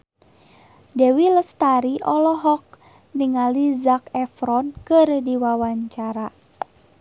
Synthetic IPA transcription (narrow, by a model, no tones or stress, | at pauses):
dɛwiləst̪aɾiʔɔlɔɦɔk̚ | niŋalizakɛfɾɔnkɨrdiwawaɲt͡ʃaɾa